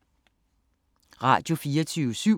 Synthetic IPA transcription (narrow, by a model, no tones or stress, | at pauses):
ʁɑ̰̈d̥jo̝fiːɐt͡sʰyːəsy